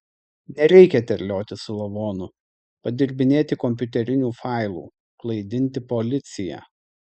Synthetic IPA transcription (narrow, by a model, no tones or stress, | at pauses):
nʲɛɾʲɛɪkʲɛt̪ʲɛɾʲlʲoːt̪ʲɪsʊlˠɐʋoːnʊ | pɐd̪ʲɪɾʲbʲɪnʲeːt̪ʲɪkɔmʲpʲʊt̪ʲɛɾʲɪnʲuːfɑˑɪlˠṵː | klˠɐɪd̪ʲɪnʲt̪ʲɪpɔlʲɪt̪sʲɪjæ̰ː